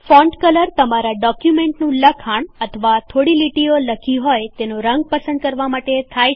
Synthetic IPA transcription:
fɔ̃ɳɖkələɾt̪əmaɾaɖɔkjumẽɳʈnũləkʰaɳət̪ʰəʋat̪ʰoɽiliʈioləkʰiɦɔjt̪enoɾəŋɡ̚pəsə̃nd̪̚kəɾʋamaʈet̪ʰaj

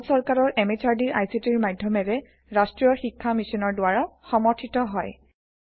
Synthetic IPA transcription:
sɔɹkaɹɔɹɛmɛt͡ʃaɹdiɹʔajsitiɹmadʱjɔmɛɹɛ | ɹastɹijɔxikʰːamisɔnɔɹdʊwaɹaxɔmɔɹtʰitɔɦɔj

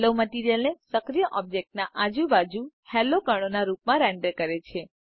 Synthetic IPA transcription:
loməʈiɾijəlnesəkɾijəʔɔb̚d͡ʒek̚ʈnaʔad͡ʒubad͡ʒuhɛlokəɽ̃onaɾupmãɾɛɳɖəɾkəɾet͡ʃʰe

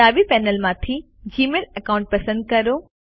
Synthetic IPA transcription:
aːʋipɛːnəlmãt̪ʰi | d͡ʑiːmeːlɐkaːʊ̃ɳʈ̚pɐsə̃nd̪̚kɐɾoː

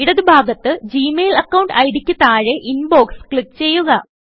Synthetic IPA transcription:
iɽɐðubʱaːɡɐt̪ːɨd͡ʑiːmeːlɐkːɐwɳɖɐjɽikʲːut̪ːaːɻeʔinbo̞ːkskɭipːt͡ɕe̞jːuɣɐ

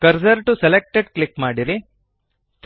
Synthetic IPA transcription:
kɐɾsɐɾʈuselek̚ʈeɖklikmaːɽiɾi | t̪

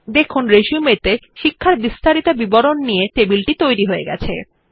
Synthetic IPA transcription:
d̪ekʰonɾeʃiumet̪eʃikʰːaɾbist̪aɾit̪obibɔɾonːijeʈ̪ebilʈit̪ojɾiɦoeɡɛ̰t͡ɕʰḛ

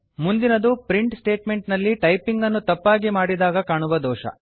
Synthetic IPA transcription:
mund̪inɐd̪upɾiɳʈsʈe̞ːʈme̞ɳʈnɐlːiʈɐjpiŋɡɐnːut̪ɐpːaːɡimaːɽid̪aːɡɐkaːɳuʋɐd̪ɔːʃɐ̰

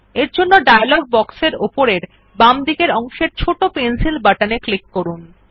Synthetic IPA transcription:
eɾd͡ʑonːoɖajalɔɡ̚bɔkseɾopoɾeɾ | bamd̪ikeɾɔŋʃeɾt͡ɕʰoʈopensilbaʈaneklikːoɾun

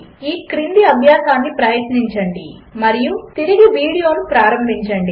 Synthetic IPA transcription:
iːkɾind̪iɐbʱjaːsaːnːipɾɐjɐt̪niɲt͡ʃɐɳɖi | mɐɾijut̪iɾiɡiʋiːɽijo̞ːnupɾaːɾɐmbʱiɲt͡ʃɐɳɖi

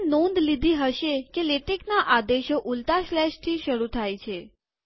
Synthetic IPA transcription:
nõnd̪lid̪ʱiɦəʃekeleʈeknaʔad̪eʃoʔult̪aʃlɛʃt̪ʰiʃəɾut̪ʰajt͡ʃʰe

